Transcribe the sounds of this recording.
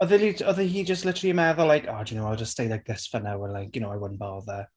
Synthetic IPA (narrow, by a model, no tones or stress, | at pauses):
ɔðɪliɔðəɦiːd͡ʒəstlɪtʰərliəmɛðɔlajkʰɔdjunowalˠd͡ʒəstejdak̚ɡɪsfənawəlajkjʊnowawənbɔðə